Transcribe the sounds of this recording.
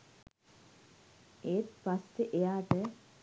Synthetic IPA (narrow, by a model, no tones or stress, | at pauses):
eːt̪past̪eʔejaːʈə